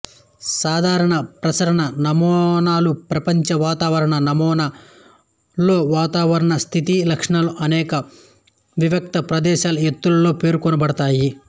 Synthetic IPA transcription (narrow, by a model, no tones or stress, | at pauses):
saːd̪ʱaːɾɐɳɐpɾɐt͡ʃɐɾɐɳɐnɐmɔːnaːlupɾɐpɐɲt͡ʃɐʋaːt̪aːʋɐɾɐɳɐnɐmɔːna | lo̞ːʋaːt̪aːʋɐɾɐɳɐst̪ʰit̪ilɐkʂɐɳɐluʔɐnɛːkɐ | ʋiʋɐk̚t̪ɐpɾɐd̪ɛːʃaːlɐet̪ːulɐlo̞ːpe̞ːɾukɔnɐbɐɽɐt̪aːji